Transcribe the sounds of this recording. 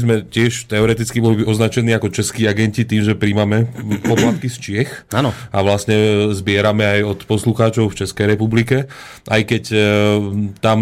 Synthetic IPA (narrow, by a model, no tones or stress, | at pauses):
zmɛcɪɛʃt̪ɛɔɾɛt̪it͡skibɔliɔznat͡ʃɛniːakɔt͡ʃɛskiːaɡɛɲcit̪iːmʒɛpɾimamɛpɔplat̪̚kist͡ʃɪɛxanɔaʋlasɲɛzbɪɛɾamɛajɔt̪pɔsluxaːt͡ʃɔʊft͡ʃɛskɛjɾɛpublikɛ | ʔajkɛc | t̪am